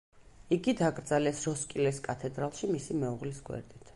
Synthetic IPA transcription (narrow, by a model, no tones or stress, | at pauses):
iɡid̪aɡʼɾd̪zalɛsɾɔskʼilɛskʼat̪ʰɛd̪ɾalˠʃimisimɛuʁlisɡwɛ̰ɾd̪it̪ʰ